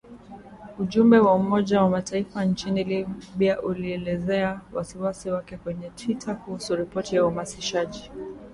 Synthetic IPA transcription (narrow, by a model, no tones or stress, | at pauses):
uʄumbɛwaumɔʄawamatʰaifant͡ʃinilibiaʔuliɛlɛzɛawasiwasiwakɛkwɛɲɛtʰwitʰakuhusuɾipɔtijaumasiʃaʄi